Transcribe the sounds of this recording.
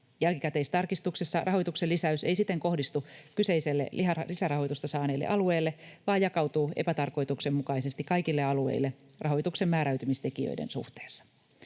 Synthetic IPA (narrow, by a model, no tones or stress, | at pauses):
jælkikæt̪e̞ist̪ɑrkist̪uksesːɑrɑɦo̞jt̪ukse̞lːisæyse̞jsit̪ːe̞ŋko̞hdist̪ukyse̞jse̞lːḛiɑlisærɑho̞jt̪ust̪ɑsɑːne̞ːlːḛʔɑlue̞ːlːe̞ʋɑːjɑkɑwt̪uːe̞̰pæt̪ɑrko̞jt̪ukse̞mmukɑise̞st̪ikːɑjkilːeɑluḛjlːe̞ | rʔɑɦo̞jt̪ukse̞mːæːɾæɥt̪ymist̪e̞kiø̰jdḛnsṵht̪e̥ːsːɑ̥